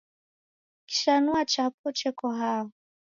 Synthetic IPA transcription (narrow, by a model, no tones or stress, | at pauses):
ki̥ʃanuat͡ʃap̚ʰɔt͡ʃɛkɔɦaɔ